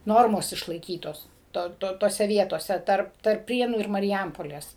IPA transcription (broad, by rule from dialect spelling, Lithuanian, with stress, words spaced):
ˈnoːrmoːs ɪʃlˠɐɪˈkʲiːtoːs ˈtoː ˈtoː toːˈsʲɛ ˈʋʲiɛtoːsʲɛ ˈtɐrp tɐrp ˈpʲrʲiɛnuː ɪr mɐrʲɪˈjɛmpoːlʲeːs